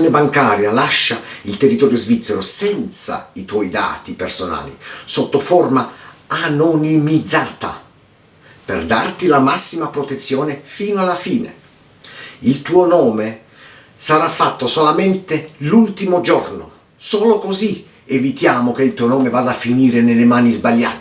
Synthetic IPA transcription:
joːnɪbaŋkaːɾjalaʃːailt̪erːit̪ɔːɾjozvit̪sːɛɾosɛnt̪sa̰it̪wɔjd̪a̰ːt̪ipersona̰ːlḭsot̪ːofoɔrmaanonimid̪zaːt̪a̰ | pḛrd̪a̰rt̪ilamasːimapɾot̪et̪sːjɔːnɪfiːnoalːafiːnḛ | ilt̪uːonɔːme | saɾafːat̪ːosolament̪elult̪imod͡ʒɔrno̰ | soːlokozi | evit̪jaːmok̟eilt̪uːonɔːmevaːd̪afːiniːɾenelemaːnizbaʎjːa̰ːt̪e

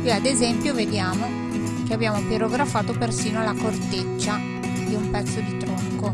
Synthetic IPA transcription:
kwiad̪ezɛmpjoved̪jaːmo | k̟eabjaːmopeɾoɡɾafaːt̪opersiːnoalːakort̪et͡ʃːa | d̪iumpɛt̪sːod̪it̪ɾoŋko

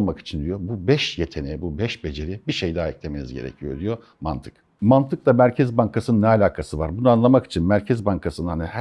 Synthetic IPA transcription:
lˠmaki̥t͡ʃʰind̪ijo̞bubɛʃjet̪ʰe̞nɛbubɛʃbe̞d͡ʒe̞ɾibiʃejd̪aːiclʲeme̞nḭzɟe̞̰ɾḛcʰijo̞d̪ijo̞ | ma̰nt̪ʰɯ̥k | mant̪ʰɯk̚d̪ˠamæɾcʰɛzbaŋkʰasɯnɯnːɛalʲaːkʰasɯvaɾbunuanlˠamaki̥t͡ʃʰinmæɾcʰɛzbaŋkʰasɯnɯnhanihæ

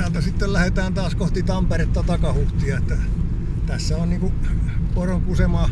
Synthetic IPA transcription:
æːlt̪æsit̪ːellæhet̪æːnt̪ɑːskoht̪it̪ɑmperet̪ːɑt̪ɑkɑhuht̪iɑet̪ːæ | t̪æsːæonniːŋkuporoŋkusemɑː

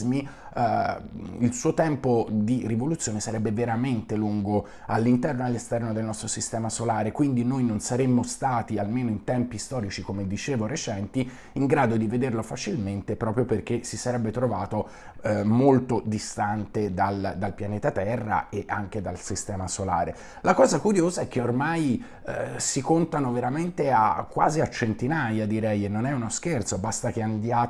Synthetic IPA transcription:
mi | ilsuːot̪ɛmpod̪irivolut̪sːjoːnesaɾɛbːeveɾament̪eluŋɡo | alːint̪ɛrnoalːest̪ɛrnod̪elnɔst̪ɾosist̪ɛːmasolaːɾekwind̪inojnonsaɾemːost̪aːt̪ialmeːnoint̪ɛmpist̪ɔːɾit͡ʃikomed̪it͡ʃeːvoɾet͡ʃɛnt̪i | iŋɡɾaːd̪od̪ived̪erlofat͡ʃilment̪epɾɔːpɾjoperk̟esisaɾɛbːet̪ɾovaːt̪o | molt̪od̪ist̪ant̪ed̪ald̪alpjaneːt̪at̪ɛrːa̰eʔaŋk̟ed̪alsist̪ɛːmasola̰ːɾe | lakɔːzakuɾjoːzaɛk̟ːeormaj | sikont̪anoveɾament̪ea̰kːwa̰ːziat͡ʃent̪inajad̪iɾɛjenːonɛunoskert̪sobast̪ak̟eand̪jaː

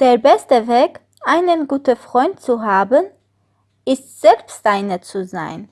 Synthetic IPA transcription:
d̥eːɐbɛstəveːk | ʔaɪnənɡuːtəfʁ̥ɔʏnt̚t͡suɦaːbən | ʔɪstz̥ɛlpstʔaɪnət͡suza̰ɪn

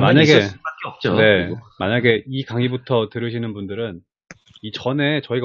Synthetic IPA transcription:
maɲaɡeak͈eʌp̚t͡ɕ͈one̞ma̰ɲaɡe̞ʔikaŋibutʰʌtɯɾɯɕʰinɯnbundɯɾɯn | it͡ɕʌne̞t͡ɕʌiɡa

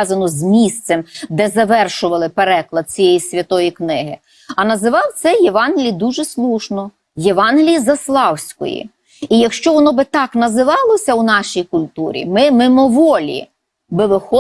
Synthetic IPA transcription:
ɑzɐnɔzmʲist̪sɛmd̪ɛzɐʋɛrʃʊʋɐlˠɪpeɾɛklˠɐd̪̚t͡sʲijɛjisʲʋʲɐt̪ɔjiknɪɦɪ | ɐnɐzɪʋɑwt̪sɛjeʋɑnɦʲɪlʲid̪uʒɛslˠuʃnɔ | jeʋɑnɦʲɪlʲijizɐslˠɑwsʲkɔ̰jḭ | ijɐkʃt͡ʃɔʋɔnɔbɪt̪ɑknɐzɪʋɑlˠɔsʲɐwnɑʃijkʊlʲt̪uɾʲḭmɪmɪmɔʋɔlʲḭ | bɪʋɪxɔ

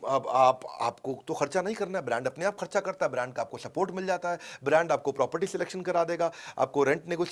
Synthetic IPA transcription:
ɐbaːpa̰ːpkot̪oxɐɾt͡ʃanɐɦĩkɐɾnaɦɛbɾɛ̃ːɳɖɐpneaːpxɐɾt͡ʃakɐɾt̪aɦɛbɾɛ̃ːɳɖ̚kaːp̚kosɐpoːɾʈmɪld͡ʒaːt̪aɦɛːbɾɛ̃ːɳɖaːp̚kopɾɔːpəɾʈisɪleːkʃənkɐɾaːd̪eːɡaːa̰ːp̚koɾɛ̃ɳʈnɪɡoː

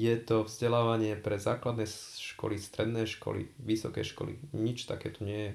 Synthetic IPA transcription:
jɛt̪ɔvzɟɛlaːʋaɲɪɛpɾɛzaːklad̪nɛʃkɔ̰list̪ɾɛd̪nɛjʃkɔ̰lḭʋisɔkɛ̰jʃkɔ̰lḭɲit͡ʃt̪a̰kɛ̰ːt̪ɔɲɪɛjɛ

